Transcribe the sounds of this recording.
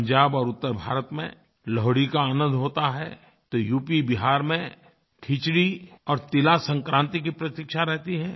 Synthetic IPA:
ɲd͡ʒaːbɔːɾʊt̪ːəɾbʱa̰ːɾət̪mḛ̃ | lɔɦɽikaːnə̃nd̪ɦoːt̪aɦɛ | t̪ojuːpibɪɦaːɾmẽ | ʈʰit͡ʃɽiɔːɾt̪ɪlasə̃ŋkɾãːnt̪ik̬ipɾɐt̪ikʃaɾɛɦt̪iɦɛː

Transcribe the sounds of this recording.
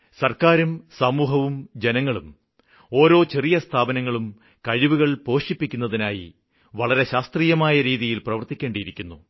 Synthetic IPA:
sɐrkaːɾumsɐmuːɦɐʋumd͡ʑe̞nɐŋːɐɭum | o̞ːɾo̞ːt͡ɕerijɐst̪ʰaːbɐnɐŋːɐɭum | kɐɻiʋuɣɐɭpo̞ːʂipːikʲːunːɐðinaːjḭ | ʋɐɭɐɾe̞ɕaːst̪riːjɐmaːjɐɾiːðijilprɐʋɐrt̪ikʲːe̞ːɳɖiiɾikʲːunːu

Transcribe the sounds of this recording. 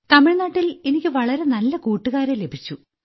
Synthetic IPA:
t̪ɐmiɻnaːʈːile̞nikʲːɨʋɐɭɐɾe̞nɐlːɐkuːʈːuɣaːɾele̞bʱit͡ɕːu

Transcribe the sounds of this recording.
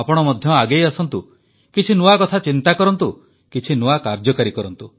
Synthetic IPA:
apɔɽ̃ɔmɔd̪ʱjɔaɡejɔsɔnt̪u | kit͡ʃʰinuwakɔt̪ʰat͡ʃint̪akɔɾɔnt̪u | kit͡ʃʰinuakaɾd͡ʒɔkaɾikɔɾɔnt̪u

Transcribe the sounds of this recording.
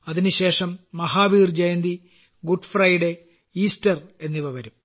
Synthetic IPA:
ɐðinɨɕe̞ːʂɐmːɐɦaːʋiːrd͡ʑɐjɐnd̪i | ɡuɖfrɐjɽe | iːstɐre̞nːiʋɐʋɐɾum

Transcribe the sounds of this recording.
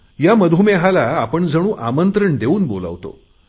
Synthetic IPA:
jaməd̪ʱumeɦalaːpəɳd͡zəɽ̃ũːʔamənt̪ɾəɳd̪euːnbola̰ʋt̪o̰

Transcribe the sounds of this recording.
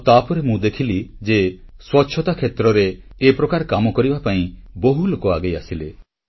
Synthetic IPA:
t̪apɔɾemũd̪ekʰilid͡ʒeswɔtːʃʰɔt̪akʰet̪ɾɔɾeːpɾɔkaɾkamɔkɔɾibapaĩboɦulokɔaɡejasile

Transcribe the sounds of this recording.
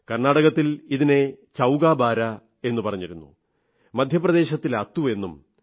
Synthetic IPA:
kɐrnaːɽɐɣɐt̪ːiliðine̞ | t͡ɕɐwɡaːbaːɾɐ | e̞nːupɐrɐɲːiɾunːṵ | mɐd̪ʱjɐprɐd̪e̞ːɕɐt̪ːilɐt̪ːuʋe̞nːum

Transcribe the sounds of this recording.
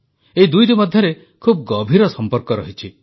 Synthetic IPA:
eid̪ujʈimɔd̪ʱjɔɾe | kʰub̚ɡɔbʱiɾɔsɔmpɔɾkɔɾɔɦit͡ʃʰi

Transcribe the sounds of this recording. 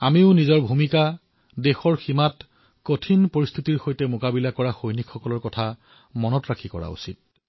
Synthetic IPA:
amiʊnizɔɹbʱumika | dexɔɹximat | kotʰinpoɹist̪ʰitiɹxojtɛmokabilakɔɹaxojnikʰxɔkɔlɔɹkɔtʰa | mɔnɔtɹakʰikɔ̰ɹa̰ṵsit̚

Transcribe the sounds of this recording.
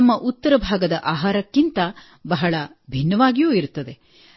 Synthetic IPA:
ɐmːɐʔut̪ːɐɾɐbʱaːɡɐd̪ɐʔaːɦaːɾɐkːint̪ɐ | bɐɦɐɭɐbʱinːɐʋaːɡijuːiɾut̪ːɐd̪e̞

